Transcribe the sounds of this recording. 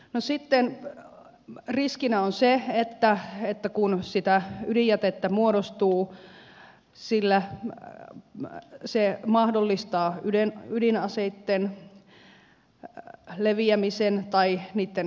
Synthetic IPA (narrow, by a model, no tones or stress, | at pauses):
nosit̪ːen | riskinæonseet̪ːæet̪ːækunsit̪æydijæt̪et̪ːæmuoɾost̪uː | silːæ | semɑhdolːist̪ɑːydenydinɑseit̪ːen | leʋiæmisent̪ɑiniːt̪ːen